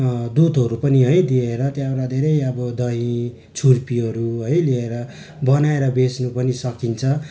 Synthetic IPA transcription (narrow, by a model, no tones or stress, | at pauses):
d̪ud̪ɦʌɾupʌniɦʌjd̪ieɾʌt̪jaoɾad̪ʱeɾʌjʌbʌd̪ʌĩ | t͡sʰurpiɦʌɾuɦʌjlieɾʌ | bʌnaeɾʌbesnupʌnisʌkint͡sʰʌ